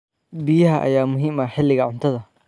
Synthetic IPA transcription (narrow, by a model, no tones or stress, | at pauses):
bɪjɪhɐʔɐ̰jaːmʊɦɪmɐħɪlːɪɣɐʕʊnt̪ʰɐðɐ